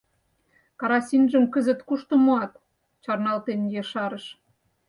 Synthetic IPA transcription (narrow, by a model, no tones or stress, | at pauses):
kɑɾɑsinʒə̆mkəzə̆t̪kuʃt̪ŏmoɑt̪ | t͡ɕɑrnɑlt̪enjeʃɑɾəʃ